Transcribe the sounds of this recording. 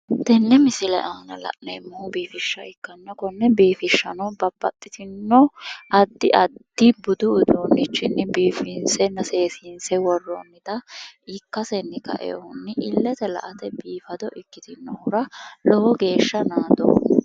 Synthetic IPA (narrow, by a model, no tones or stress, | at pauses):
t̪ɛnːɛmɪsɪlɛ̰ʔaːnɐlɐ̰ʔnɛmːuːbiːfɪʃːɐɪkːɐnːɔkɔnːɛbiːfɪʃːɐnɔbɐbːɐt̪ʼːɪt̪ɪnːɔʔɐd̪ːɪʔɐd̪ːɪbʊd̪ʊʊd̪uːnːɪt͡ʃːɪnːɪbiːfɪnsɛnɐse̞ːsinsɛwɔrːɔnːɪt̪ɐɪkːɐsɛnːɪkɐ̰ʔɛ̰ɔʊnːɪʔɪlːɛt̪ɛlɐ̰ʔɐt̪ɛbiːfɐd̪ɔʔɪkːɪt̪ɪnːɔhʊɾɐlɔwɔɡe̞ːʃːɐnaːd̪ɔ̰